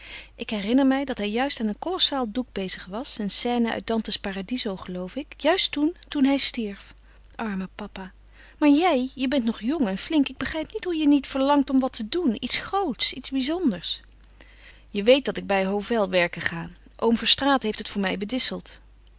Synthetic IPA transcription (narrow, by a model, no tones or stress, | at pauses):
ʔɪkɦɛrɪnəɹmɛjdɑtɦɛjjœɥstaːnənkɔlɔsaːlˠduɡ̚bejzəχʋɑsənsɛːnəʔœ̰ɥt̚dɑntəspaːradizowχəlowfɪkjœɥstuntunɦɛjstiɹf | ʔɑɹməpɑpaː | maːɹjɛjjəbɛntnɔχjɔŋɛnflɪŋkɪɡ̚bəχrɛjpnitɦujənitfəɹlɑŋtɔmʋɑtədunitsχrowtsitzbizɔndəɹs | jəʋejt̚d̥ɑtɪɡ̚bɛjɦowvɛlˠʋɛɹkəχaː | ʔo̰wmvəɹstraːtɦejftɦətfʊːɹmɛjbədɪsəlˠt